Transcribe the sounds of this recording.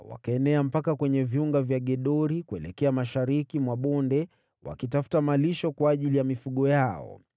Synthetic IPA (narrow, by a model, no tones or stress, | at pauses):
wa̰kaɛnɛam̩pakakwɛɲɛviuŋɡavjaɠɛɗɔɾikuɛlɛkɛamaʃaɾikimwaɓɔndɛ | wa̰kitafu̥tamaliʃɔkwaːʄilijamifuɠɔjaɔ̰